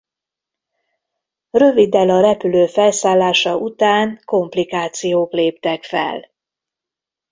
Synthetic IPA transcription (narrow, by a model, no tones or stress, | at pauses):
rø̞vid̪ɛlɒɾɛpyløːfɛlsaːlːaːʃɒʔut̪aːŋko̞mplikaːt̪sijoːkleːp̚t̪ɛkfɛ̰l